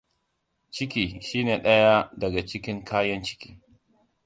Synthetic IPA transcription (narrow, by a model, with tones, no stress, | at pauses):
t͡ʃɪ˦kʲiː˨ʃiː˦neː˨ɗɐ˦ja˦dɐ˨ɡa˨t͡ʃɪ˦kʲɪ˦ŋkʰaː˦jɐ˦nt͡ʃɪ̥˦kʲiː˦